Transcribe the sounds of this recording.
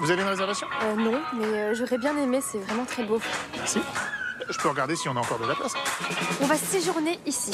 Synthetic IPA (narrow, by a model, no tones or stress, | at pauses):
vuzaveynʁezɛʁvasjɔ̃ønɔ̃mɛøʒɔʁɛbjɛ̃nemesɛvʁɛmɑ̃t̪χɛbomɛʁsiʒəpøʁəɡaʁd̪esiɔ̃naɑ̃kɔʁd̪əlap̪asɔ̃vaseʒuʁneʔisi